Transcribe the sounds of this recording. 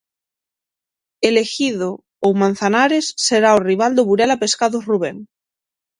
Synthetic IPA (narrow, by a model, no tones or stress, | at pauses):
elexiðo | owmãn̟θanaɾesːeɾaoriβ̞ald̪oβuɾelape̞skaðoruβ̞eŋ